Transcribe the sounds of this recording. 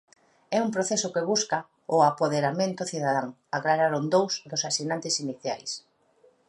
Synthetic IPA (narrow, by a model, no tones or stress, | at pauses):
ɛumpɾoθɛsʊkɪβuska | ʊapoðeɾamẽnt̪ʊθiðaðaŋ | aɣlaɾaɾʊnd̪owzd̪ʊsasinãnt̪ɪsiniθja̰js